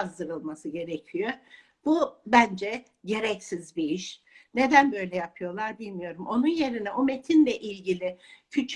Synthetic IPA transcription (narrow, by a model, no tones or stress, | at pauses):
zd̪ɯɾɯlˠmasɯɟe̞ɾecʰyjo | b̥ubænd͡ʒɛ | ɟe̞ɾɛcsizbiiʃ | ne̞d̪ænbø̞jlʲɛjapʰɯjo̞lˠaɾbilʲmijo̞ɾumʔo̞nunje̞ɾinɛʔo̞me̞t̪ʰinlʲɛʔilʲɟilʲɪcʰyt͡ʃʰ